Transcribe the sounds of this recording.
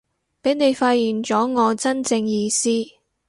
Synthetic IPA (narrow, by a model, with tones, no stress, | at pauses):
pe˨˥jne˨˧jfaː˧t̚jiː˨˩nt͡ʃɔː˨˥ŋɔː˨˧t͡sɐ˥nt͡sɪ˧ŋjiː˧siː˥